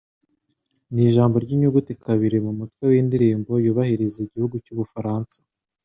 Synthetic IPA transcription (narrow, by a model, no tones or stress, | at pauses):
niːʒaːmbo̞ɾɟiɲuɡutekʰaβiɾemumutwe̞windiɾiːmbo̞juβahiɾezeːɟihuɡucuβufaɾaːnsḁ